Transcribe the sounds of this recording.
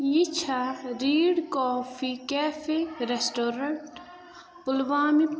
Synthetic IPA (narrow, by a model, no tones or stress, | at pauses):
jit͡ʃʰaɾiːɽkɔːfʰikɛːfeɾesʈoːɾɐɳʈ | pʊlʋaːmi